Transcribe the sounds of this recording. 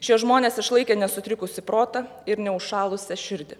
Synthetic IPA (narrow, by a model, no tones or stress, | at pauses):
t͡ʃʲɛʒmoːnʲeːsɪʃlˠɐɪkʲeːnʲɛsʊt̪ʲɾʲɪkʊsʲɪpɾoːt̪ɐ | ɪɾnʲɛʊʃɑːlˠʊsʲɛʃʲɪɾʲd̪ʲɪ